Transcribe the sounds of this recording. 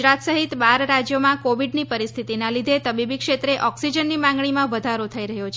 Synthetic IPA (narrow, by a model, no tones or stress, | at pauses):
ɾat̪səɦit̪baɾɾad͡ʒjomãkoʋiɖnipəɾist̪ʰit̪inãlid̪ʱet̪əbibikʂet̪ɾeʔɔksid͡ʒənːimãŋɡɳimãʋəd̪ʱaɾot̪ʰəiɾəɦjot͡ʃʰ